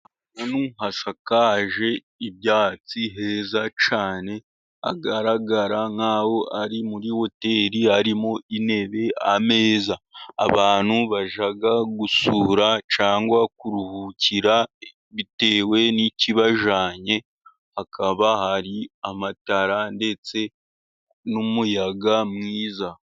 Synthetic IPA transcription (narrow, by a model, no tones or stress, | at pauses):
nanuɦaʃakaːʒe̞ | iβjaːt͡siɦe̞ːzat͡ʃaːne̞ | a̰ɡaɾaɡaɾaŋaːwo̞ʔaɾimuɾiho̞te̞ɾihaɾimoine̞βe̞ame̞ːza̰ːβaːn̥huβaʒaɡaɡusuːɾat͡ʃaːŋɡwakuɾuhuciɾa | βite̞ːwe̞niciβaʒaːɲe̞ | hakʰaβahaɾiamataɾande̞t͡se̞ | numujaɡamŋiːza